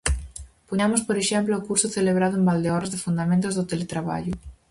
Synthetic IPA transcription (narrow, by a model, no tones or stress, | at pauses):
poɲamospoɾeʃemploːkuɾsoθeleβɾaðʊẽmbald̪eɔɾazðefund̪amẽnt̪ozðot̪elet̪ɾaβa̰ʎʊ